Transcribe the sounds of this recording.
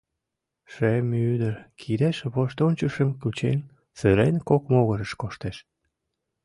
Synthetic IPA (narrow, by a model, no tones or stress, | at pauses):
ʃemyd̪əɾkʰiɾeʃβoʃt̪onʲt͡ɕəʃə̆mkut͡ɕen | seɾenkokmoɣəɾəʃkoʃt̪eʃ